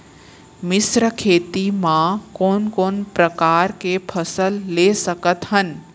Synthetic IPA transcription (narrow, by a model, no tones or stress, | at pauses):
mɪsɾəkʰeːt̪imãkoːnkoːnpɾɐkaːɾkepʰɐsəlːesɐkət̪ɦən̆